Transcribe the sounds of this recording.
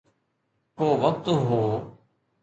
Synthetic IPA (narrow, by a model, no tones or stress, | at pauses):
koːʋək̚t̪ɦoː